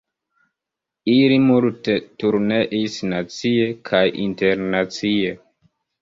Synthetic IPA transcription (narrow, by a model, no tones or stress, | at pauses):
ilimultetuɾneʔisnat͡siekʰajʔḭnteɾnat͡sie